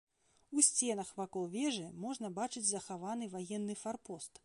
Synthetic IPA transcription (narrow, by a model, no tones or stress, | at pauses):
usʲt͡sʲɛn̪ɐxvakɔlˠvʲɛʐɨmɔʐnɐbat͡ʂɨd͡zʲzɐxavanɨvajɛnːɨfarpɔst̪